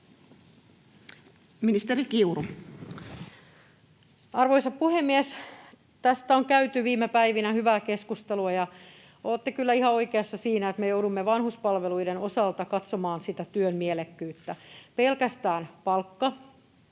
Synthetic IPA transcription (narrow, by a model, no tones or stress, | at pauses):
minist̪erikiuru | ɑrʋoisɑppuhemːies | t̪æst̪æoŋkæyt̪yʋiːmepæiʋinæhyʋæːkeskust̪eluɑjɑ | oːt̪ːekylːæihɑoikeɑsːɑsiːnæet̪mejoudumːeʋɑnhuspɑlʋeluidenosɑlt̪ɑkɑt̪somɑːnsit̪æt̪yønmielekːyːt̪ːæpelkæst̪æːnpɑlkːɑ